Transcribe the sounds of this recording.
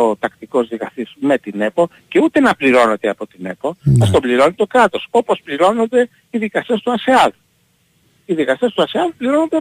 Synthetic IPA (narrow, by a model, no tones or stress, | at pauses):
ot̪ɐkt̪iko̞zðikɐst̪isme̞t̪ine̞po | ceut̪e̞nɐpliɾo̞ne̞t̪eɐpo̞t̪ine̞̰poɐst̪obliɾo̞nit̪o̞kɾɐt̪o̞so̞pospliɾo̞no̞nd̪e̞ | iðikɐst̪e̞st̪uɐseɐðu | iðikɐst̪e̞st̪uɐseɐðupliɾo̞no̞nd̪e